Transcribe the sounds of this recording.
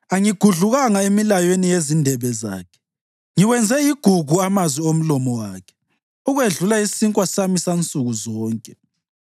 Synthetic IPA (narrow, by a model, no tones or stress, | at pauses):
aŋiɡ̥ʱuɮuɣaŋaemilajenijezindʱɛβɛza̰ːkʰɛ̥ | ŋiwɛnd͡zʱɛjiɡ̥ʱuɡ̥ʱuamazwiom̩lɔmɔwaːkʰɛ̥ | uɣweɮulaisiŋkʼwasamisant͡sʼuɣuzɔːŋkʼɛ